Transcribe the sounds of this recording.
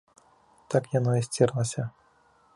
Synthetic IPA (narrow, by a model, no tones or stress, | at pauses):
t̪akjanɔisʲt͡sʲɛrlˠɐsʲɐ